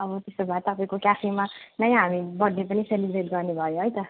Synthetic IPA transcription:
ʌbʌt̪esobʱat̪ʌpaĩkokjapʰimanʌjɦamibʌɖːepʌniselibɾet̪̚ɡʌrnebʱʌjoɦʌjt̪ʌ

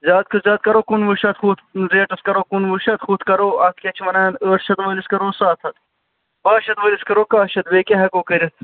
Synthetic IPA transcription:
zʲaːd̪̚kʰɨzʲjaːd̪̚kɐɾoːkunʋuʃɐt̪xut̪zeːʈɐskɐɾoːkunʋuʃɐt̪xut̪kɐɾoːɐkʰket͡ʃʰimɐnaːnəːʈʃɐt̪ʋəːliskɐɾoːsaːt̪ʰɐt̪ʰ | baːʃɐt̪ʋəliskɐɾoːkaːʃɐt̪ʋekʲeɦɐkoːkəɾʲɐt̪ʰ

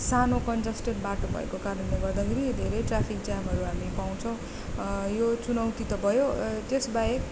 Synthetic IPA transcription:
sanokʌnd͡zʌsʈeɖbaʈobʱʌ̰ḛkokaɾʌnleɡʌrd̪ʌkʰeɾid̪ʱeɾʌjʈrapʰik̚d͡zamɦʌɾuɦamipaw̃t͡sʰʌw̃ | jot͡sunʌwt̪it̪ʌbʱʌjot̪esbaek

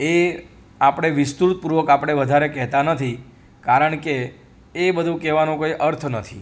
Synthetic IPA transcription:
e | apɽ̃eʋɪst̪ut̪̚puɾʋəkapɽ̃eʋəd̪ʱaɾekɛɦt̪ãnət̪ʰi | kaɾəɳkeː | bəd̪ʱũkɛʋanõkoiʔəɾt̪ʰnət̪ʰḭ

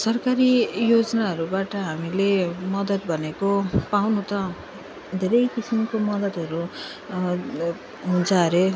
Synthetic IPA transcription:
sʌrkaɾijod͡zʌnaʌɾubaʈʌɦamilemʌd̪ʌt̪̚bʱʌnekopawnut̪ʌ | d̪ʱeɾʌjkisimkomʌd̪ʌt̪ɦʌɾu | ɦunt͡sʰʌɾe

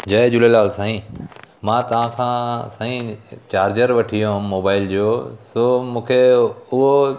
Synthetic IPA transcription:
d͡ʑɐed͡ʑʊlelaːlsãːĩmãːt̪ɐʋ̤ãkʰãːsãːĩt͡ɕaːɾd͡ʑəɾʋɐʈʰijoɦʊmːoːbaːɪld͡ʑoːsomũːkʰeʊɦo

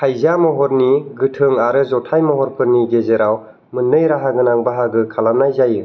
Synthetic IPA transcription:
hʰajzamɔɦɔɾniɡɯtʰɯŋaɾɯzɔtʰajmɔɦɔɾpʰɯɾniɡezeɾaw | mɯnːɯjɾaɦaɡɯnaŋbaɦaɡɯkʰalanajzajɯ

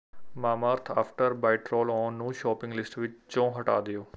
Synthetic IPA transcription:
maːmaːɾt̪ʰa̰ːpʰʈəɾbaːɪʈɾɔːlɔːnːũːʃɔːpɪ̃ŋɡlɪsʈʋɪt͡ʃt͡ʃõːɦəʈa̰ːd̪ɪjoː

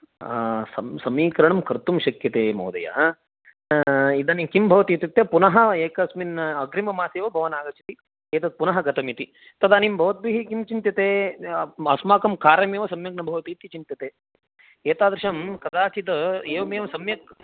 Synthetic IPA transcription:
sɐ̰msɐmiːkɐɾɐɳɐmkɐɾt̪umʃɐkjɐt̪eːmɐ̰wd̪ɐjɐ̰ | id̪ɐnikimbʱɐʋɐt̪it̪it̪ːepunɐɦɐeːkɐsminɐɡɾimɐmaːseːʋɐbʱɐʋɐnaːɡɐt͡ʃit̪i | eːt̪ɐd̪̚punɐɦɐɡɐt̪ɐmit̪i | t̪ɐd̪aːnimbʱɐʋɐt̪̚biɦikimt͡ʃint̪jɐt̪eː | ɐsmaːkɐmkʰaːɾɐmeːʋɐsɐmjɐɡ̚nɐbʱɐʋɐt̪iːt̪it͡ʃint̪jɐt̪eː | eːt̪aːd̪ɾɐʃɐmkɐd̪aːt͡ʃid̪ɐeːʋɐmeːʋɐsɐmjɐk̚

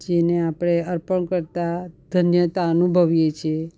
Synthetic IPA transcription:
d͡ʒeneapɽ̃eəɾpəɳkəɾt̪ad̪ʱənjət̪aənubʱəʋjet͡ʃʰe

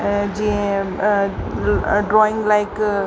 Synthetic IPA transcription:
d͡ʒiẽ | ɖɾɔːɪ̃ŋɡlaɪk

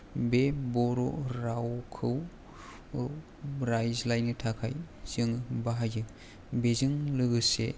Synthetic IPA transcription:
bebɔɾɔ̰ɾawkʰɯw | ɾajzlajnɯtʰakʰajz̥ɯŋbaɦazɯŋ | bezɯŋlɯɡɯse

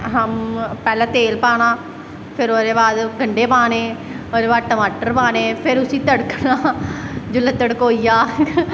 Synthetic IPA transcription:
ɦəmpɛːlãːt̪eːlpaːɽ̃ãː | pʰɪɾoːd̪eːbaːd̪kəɳɖeːpaːnẽː | oːd̪eːbaːd̪ʈəmaːʈəɾpaːnẽːpʰɪɾʊsiːt̪əɽknaːd͡ʒʊlət̪əɽkoːijaː

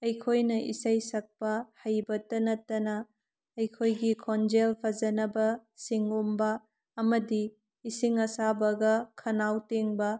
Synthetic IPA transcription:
ɐjkʰojnɐʔḭsɐjsɐk̚pɐhɐjbɐtɐnɐtɐnɐ | ɐjkʰojɡikʰond͡ʒelpʰɐzɐnɐbɐsiŋombɐː | mɐdiː | siŋɐsabɐɡɐkʰɐnawteŋbɐ

